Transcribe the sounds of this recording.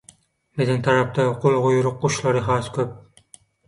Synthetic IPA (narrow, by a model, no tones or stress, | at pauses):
menɪŋt̪ʰaɾap̚t̪aqʰolˠʁʊjʊɾʊq̚ːoʃlˠɑɾɪɦɑskʲʰɵp̚